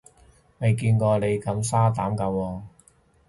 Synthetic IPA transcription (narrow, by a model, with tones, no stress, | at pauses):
me˨˧jkiː˧nkɔː˧le˨˧jkɐ˨˥msaː˥t̪aː˨˥mkɐ˨˧wɔː˧